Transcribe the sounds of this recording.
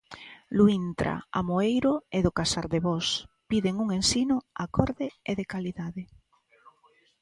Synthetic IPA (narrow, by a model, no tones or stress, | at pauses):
luint̪ɾa̰a̰moejɾʊeðʊkasaɾðeβɔspiðeŋuŋensinʊakɔɾðɪeðekaliðaðɪ